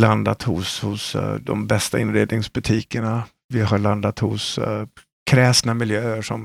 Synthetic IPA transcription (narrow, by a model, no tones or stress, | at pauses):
land̪at̪hʊ̰shʊsd̪ɔ̰mbɛst̪aɪnɾeːd̪nɪŋsbɵt̪ʰiːkəɳa | vɪɦaɭand̪at̪hʊ̰s | kʰɾɛːsnamɪljøːəʂɔm